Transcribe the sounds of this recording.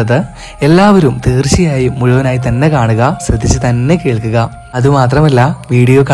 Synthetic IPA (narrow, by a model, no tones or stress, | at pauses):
ɐðɨ | e̞lːaːʋɐɾumt̪iːrt͡ɕːijaːjimuɻuʋɐnaːjit̪ɐnːe̞kaːɳuɣɐɕrɐd̪ʱːit͡ɕːɨt̪ɐnːe̞keːɭkuɣɐ | ɐðumaːt̪rɐmɐlːɐʋiːɽijoːkɐ